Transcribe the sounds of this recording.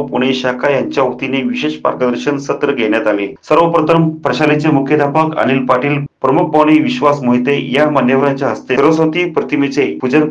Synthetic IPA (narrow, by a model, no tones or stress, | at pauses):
puɽ̃eɕakʰajaɲt͡ɕjaʋəkt̪ineʋiɕeɕpa̰ɾkəd̪əɾɕənsət̪ɾəɡʱeɳ̃jat̪alesəɾʋəpɾət̪əmpɾəɕalit͡semukʰjəd̪ʱapəkə̰ñilpaʈiːlpɾəmuk̚bʱaʋɽ̃iʋiɕʋasmoɦit̪ejamanjəʋɾaɲt͡ɕjaɦəst̪eɾʋəsət̪iːpɾət̪imit͡sepud͡ʑən